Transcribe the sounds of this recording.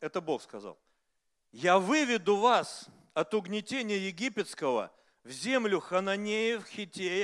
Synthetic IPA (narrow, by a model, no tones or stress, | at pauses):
ɛt̪əbo̞xskɐza̰lˠ | javɨvʲɪd̪ʊvas | ɐt̪ʊɡnʲɪtʲenʲɪjəjɪɡʲipʲɪt̪skəvə̰ | vzʲemlʲʊxənɐnʲejɪfxʲɪtʲej